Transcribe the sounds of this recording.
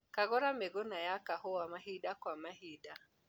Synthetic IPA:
kaɣɔɾameɣonajakahɔwamaɦiɗakwamahida

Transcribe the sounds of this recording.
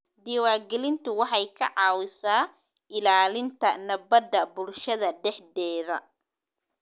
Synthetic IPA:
d̪iwaːrɡɛlɪnt̪ʰʊwɑħɑjkʰɐʕɑːwɪsaː | ʔɪlaːlɪnt̪ʰɐnɐbɐd̪ɐbʊlʃɐðɐɖɛħd̪ɛːðɐ̰

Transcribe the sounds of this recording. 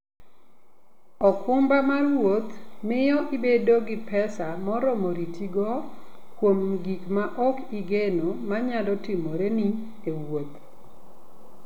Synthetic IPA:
ɔkʊmbamarwot̪mɪjɔʔibedoɡɪpɛsamɔɾɔmoɾitiɡɔ | kwomɡikmaʔɔkiɡenomaɲalɔtɪmoɾeni | ewot̪

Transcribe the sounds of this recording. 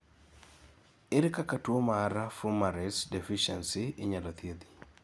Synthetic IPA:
ɪɾkakatwomaːɾafumaɾɛsdefiʃɛnsiɪɲalɔt̪jed̪i̥

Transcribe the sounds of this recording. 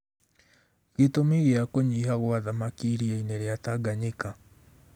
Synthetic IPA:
ɣetomiɣeakoɲiɦaɣwaðamakiɾiaineɾeataɡaɲeka

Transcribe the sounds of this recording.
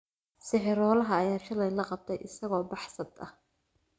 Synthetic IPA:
sɪħɪɾɔːlɐɦɐːjaːʃɐlɛjlɐqɑb̚t̪ʰɛjʔɪsɐɣɔːbɑħsɐd̪ɐ̰h

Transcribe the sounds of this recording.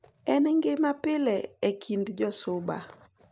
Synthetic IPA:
ɛnŋɡɪmapɪlɛekʰindd͡ʒɔsʊba̰

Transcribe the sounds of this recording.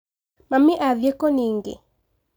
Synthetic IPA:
mamiʔaðjekɔniŋɡḛ

